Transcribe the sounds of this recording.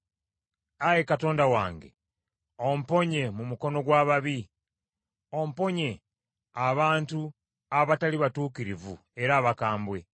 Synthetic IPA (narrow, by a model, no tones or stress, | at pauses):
ajekato̞ːndawaːŋɡe̞̰ | o̞m̩po̞ɲe̞mumuko̞no̞ɡwaːβaβi | o̞m̩po̞ɲe̞ | aβaːntu | aβataliβatuːkiɾivṵ | e̞ɾaːβakaːmbwe̞